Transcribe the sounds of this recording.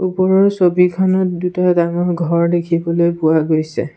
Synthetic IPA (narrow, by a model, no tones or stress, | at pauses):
upɔɹɔɹsobikʰɔnɔt̚dutadamɔɹɡʱɔɹdekʰibɔlojpuaɡojsɛ̰